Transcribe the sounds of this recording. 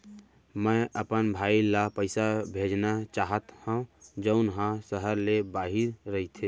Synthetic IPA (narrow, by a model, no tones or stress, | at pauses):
mɛ̃ʔəpənbʱaːilapəɪsabʱeːd͡ʒnat͡ʃaːɦət̪hãd͡ʒəʊnɦãsəɦəɾlebaːɦɪɾːəɦit̪ʰe